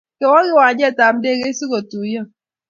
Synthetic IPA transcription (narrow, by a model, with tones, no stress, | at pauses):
kɛ˨˦wɔ˦ɣi˦wa˨˦d͡ʒɛ˦˨ta˨m̩˦de˦˨ke˦i˦si˦ko˨tu˨˦jə˦